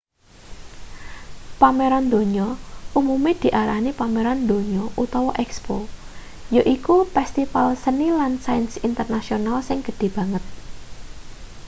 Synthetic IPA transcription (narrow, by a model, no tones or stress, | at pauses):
pameɾɔnd̪o̤ɲɔumumed̪̥i̤ʔaɾahnipameɾɔnd̪o̤ɲɔʔut̪ɔwɔʔɛkspo | joʔikupɛst̪ifalsənilansajnsint̪ərnasionalsɪŋɡ̥ə̤d̪̥e̤b̥ä̤ŋət̪̚